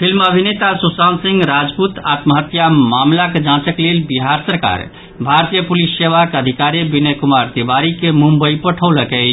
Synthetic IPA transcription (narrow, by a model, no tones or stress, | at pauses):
pʰilməbʱinet̪asusansĩŋɡɾad͡ʒput̪at̪məɦət̪jamamlaked͡ʒãt͡ʃəklelbiɦaɾsəɾka̰ɾ | bʱaɾt̪ijəpulisːeʋakeəd̪ʱikaɾebinekumaɾt̪ibaɾikemumbəipəʈʰəwləkɛɪt͡ʃ